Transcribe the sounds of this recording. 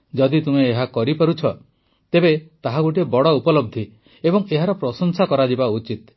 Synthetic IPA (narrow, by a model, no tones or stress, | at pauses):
d͡ʒɔd̪it̪umeːɦakɔɾipɔɾut͡ʃʰɔ | t̪ebet̪aɦaɡuʈ̬iebɔɽɔupɔlɔb̚d̪ʱi | ebɔŋeɦaɾɔpɾɔsɔŋsakɔɾad͡ʒibaut͡ʃit̪̚